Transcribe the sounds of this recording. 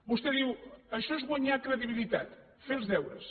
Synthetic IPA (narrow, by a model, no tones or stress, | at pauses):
bust̪eðiwəʃɔezɣwaɲakɾəðiβilˠit̪a̰t̪ | felˠzðɛwɾɐ̰s